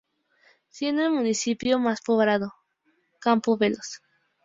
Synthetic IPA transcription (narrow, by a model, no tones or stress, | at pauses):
sjenelmũnisipjomaspoβɾaðo | kampoβelos